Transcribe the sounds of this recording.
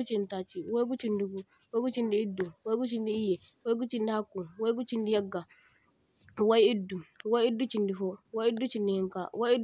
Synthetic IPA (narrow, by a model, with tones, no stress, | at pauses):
u˦t͡ʃi˨nta˨t͡ʃi˨wa˦jɡu˦t͡ʃi˦ndi˨ɡu˨ | wa˦ɡu˦t͡ʃi˦ndiː˦dːu˨wa˦jɡu˦t͡ʃi˦ndi˦i˦jɛ˨ | wa˦jɡu˦t͡ʃi˦ndi˦ha˦kːu˨wa˦jɡu˦t͡ʃi˦ndi˦ja˦ɡːa˨ | wa˦ji˦dːu˨wa˦ji˦dːu˦t͡ʃi˨ndi˨fɔ˦wa˦i˦dːu˦t͡ʃi˦ndi˨hi˦ŋka̰˨wa˦ji˦